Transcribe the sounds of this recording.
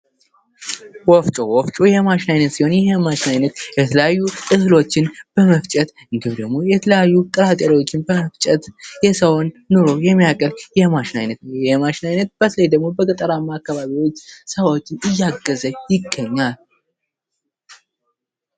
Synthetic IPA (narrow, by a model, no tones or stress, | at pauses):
wɔft͡ʃʼowɔft͡ʃʼojɛmaʃɪnajnət̪siho̞njɛɦɛmaʃɪnajnət̪jɛt̪ʰələjajːuɨhlo̞t͡ʃːɪnb̥əməft͡ʃʼɛt̪ | ɨŋɡɨmd̪əɡmo̞jɛt̪ʰələjajːuk̪ʼɨɾat̪ʼeɾiwo̞t͡ʃːɪnbəməft͡ʃʼɛt̪jɛsəwnːoɾo̞jɛmːijakʼəljɛmaʃɪna̰jnət̪nwjɛhmaʃɪnajnət̪̚b̥ət̪ʰləjd̪əɡ̚mo̞bəkʼət̪ʼəɾamːaːkːaβaβiwo̞t͡ʃːsəβo̞t͡ʃːɪnɨjːaɡːəzəɲjɪɡːəɲːal